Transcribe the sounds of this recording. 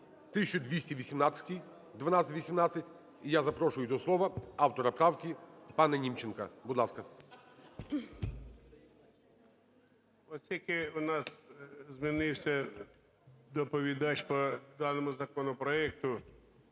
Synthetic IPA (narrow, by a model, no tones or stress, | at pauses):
t̪ɪʃt͡ʃːʊd̪ʲʋʲisʲtʲiʋʲisʲimnat̪sʲɐ̥tʲi | d̪ʋɐnɑt̪sʲɪtʲʋʲisʲimnat̪sʲɐtʲ | ijazɐpɾɔʃʊjʊt̪ɔslˠɔʋɐɑwt̪ɔɾɐpɾawkʲipɑnɛnʲimt͡ʃenkɐbʊd̪lˠɑskɐ | ɔsʲjikɪʊnɑszmʲinɪwsʲɐ | d̪ɔpɔʋʲid̪ɑt͡ʃpɔd̪ɑnɔmʊzɐkɔnɔpɾɔɛk̚t̪ʊ